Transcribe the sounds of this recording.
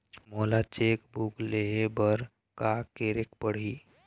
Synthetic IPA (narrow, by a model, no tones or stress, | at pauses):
molat͡ʃekbukleɦebəɾ | kakeɾek̚pəɽ̤i